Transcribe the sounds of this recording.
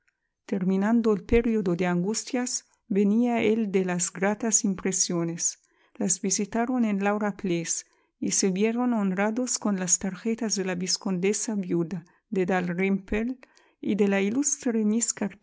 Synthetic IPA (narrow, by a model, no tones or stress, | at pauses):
t̪eɾminãnd̪oelpeɾiod̪od̪eaŋɡust̪jaz | beniaeld̪elazɡɾat̪asimpɾesjones | lazbisit̪aɾonenlawɾaples | iseβjeɾononɾad̪oskonlast̪aɾxet̪azðelabiskond̪esabjud̪a | d̪ed̪alrimpel | id̪elailust̪ɾemiskaɾ